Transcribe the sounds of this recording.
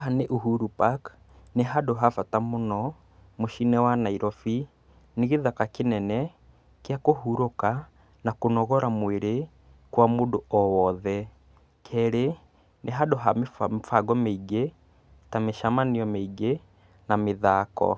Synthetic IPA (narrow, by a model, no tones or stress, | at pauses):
ɦaneʔuɦuɾupak | neɦadoɦafatamonɔ | moʃinɛwanaiɾɔfi | neɣeðakakenɛnɛ | kjakohuɾoka | nakonɔɣɔɾamweɾe | kwamodoɔwɔðɛ | kʰɛɾe | neɦadoɦamefaɡɔmeiɡe | tameʃamaniɔmeiɡe | nameðakɔ̰